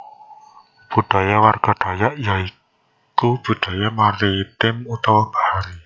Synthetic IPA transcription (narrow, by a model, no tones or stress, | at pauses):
b̥uɖ̥a̤jawarɡ̥a̤d̪̥a̤jaʔjai | kub̥ṳɖ̪̥a̤jamalit̪ɪmut̪ɔwɔb̥ahaɾi